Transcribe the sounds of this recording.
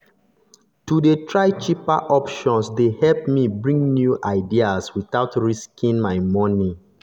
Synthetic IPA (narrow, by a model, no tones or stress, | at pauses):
tudetʰɹaɪt͡ʃipa̰ʔɔpʃɔ̃nsdehɛlpmibɹĩŋnjuʔaɪdiaswiθaʊtɹiskʰĩŋmaɪmɔni